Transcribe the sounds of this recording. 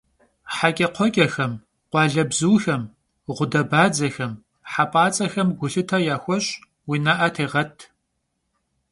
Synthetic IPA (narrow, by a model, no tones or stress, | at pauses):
ħakʲʼɐqʷʰɔkʲʼɐxɐm | qʷɑːɮɐbzuːxɐm | ʁʷʊdɐbaːd͡zɐxɐm | ħapʼaːt͡sʼɐxɐmɡʷʊɬɨtʰɐjaːxʷɔɕʼ | winaʔɐtʰeːʁɐtʰ